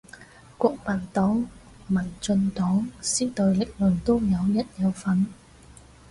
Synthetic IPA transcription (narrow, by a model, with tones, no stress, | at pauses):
kʷɔː˧k̚maː˨˩nt̪ɔː˨˥ŋ | mɐ˨˩nt͡sɵ˧nt̪ɔː˨˥ŋsiː˥t̪ɔ˨˧jlɪ˨˩k̚lɵ˨˩nt̪oː˥jɐ˨˧wjɐ˥t̚jɐ˨˧wfɐ˨˥n